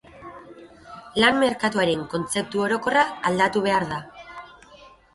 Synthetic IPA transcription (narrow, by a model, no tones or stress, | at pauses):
lanme̞ɾkat̪uaɾe̞ŋko̞nt͡se̞p̚t̪uo̞ɾo̞ko̞raːld̪at̪uβ̞e̞aɾða